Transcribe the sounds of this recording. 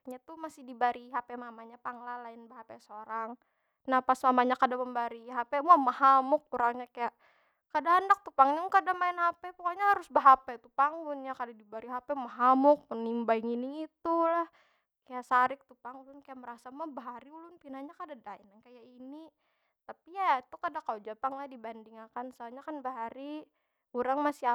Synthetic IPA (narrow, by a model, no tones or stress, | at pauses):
ɲat̪umasɪhdibaɾiɦapɛmamaɲapaŋlalaɪnbaɦapɛsoɾaŋ | nahpasmamaɲakadaməmbaɾiɦapɛmuamahamʊk̚ːuɾaŋɲakajaʔ | kadaandak̚t̪upaŋɲakadamaɪnhapɛpukaɲaɦaɾʊsbaɦapɛt̪upaŋɡʊnjakadadibaɾiɦapɛmaɦamʊk̚mənimbaiŋiniit̪ulah | kajaʔsaɾɪk̚t̪upaŋulʊnkajaʔməɾasamabaɦaɾiulʊnpinaɲakadadainaŋkajaini | t̪apijait̪ukadakalod͡ʒapaŋladibandiŋakansəaɲakanbaɦaɾi | uɾaŋmasia